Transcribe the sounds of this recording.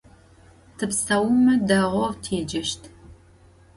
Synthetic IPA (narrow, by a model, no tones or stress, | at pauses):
tʰɨpsɐwmɐdaːʁʷɐwtʰeːd͡ʒɐʃtʰ